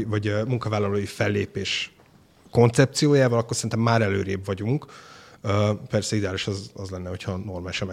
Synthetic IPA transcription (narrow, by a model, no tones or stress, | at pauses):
vɒɟmuŋkɒvaːlːɒloːjifɛlːeːpeːʃ | ko̞nt̪sɛp̚t̪sijoːjaːvɒlɒkːorsɛint̪ɛmːaːɾɛløːɾeːbvɒɟuŋkøːpɛrsɛid̪ɛaːliʃɒzɒzlɛnːɛɦo̞cʰhɒno̞rmaːliʃɒmɛ